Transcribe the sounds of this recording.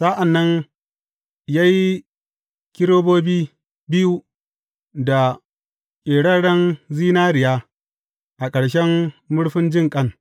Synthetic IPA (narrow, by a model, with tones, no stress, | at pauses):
sa˦ʔa˨nːɐ˦n | jaː˦ji˦ | kʲɪ˦ɾoː˦boː˦biː˦ | bɪ˦ju˦ | da˨ | ʔʼeː˨ɽɐ˦ɽɐ˦nziː˦naː˦ɾɪ˨jaː˦ | ʔa˨kʼɐ˨ɽʃɛ˦mːʊ˦ɽɸɪ˦nd͡ʒɪ˦˨ŋkʼɐ˦n